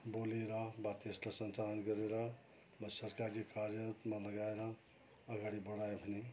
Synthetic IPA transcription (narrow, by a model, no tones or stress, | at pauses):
boleɾʌɦbat̪est̪əsənt͡ʃalənkəɾeɾʌɦ | məsəɾkaɾd͡ʒikaɾjət̪maləɡaeɾʌɦ | əɡaɽibəɽaebʱəne